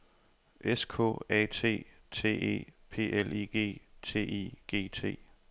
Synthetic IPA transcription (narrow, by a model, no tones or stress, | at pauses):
ʔeskʰɔ̰ːɛ̰t͡sʰe̝̰ː | t͡sʰe̝̰ːe̝̰ːpʰe̝̰ːʔeliɡ̥e̝̰ːt͡sʰe̝̰ːiɡ̥e̝̰ːt͡sʰe̝̰ː